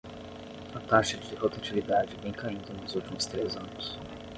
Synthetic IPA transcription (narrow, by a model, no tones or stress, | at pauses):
ɐt̪aʃɐd͡ʒɪhot̪at͡ʃilid̪ad͡ʒɪvẽj̃kaĩnd̪ɐnʊzuwt͡ʃimʊst̪ɾezɐ̃nʊs